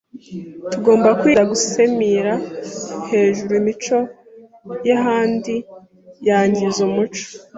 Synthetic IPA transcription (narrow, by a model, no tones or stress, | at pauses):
tuɡo̞ːmbakwiːɾaɡuse̞miɾahe̞ːʒuɾuimit͡ʃo̞ | jaɦaːndi | jaɲɟizumut͡ʃo̥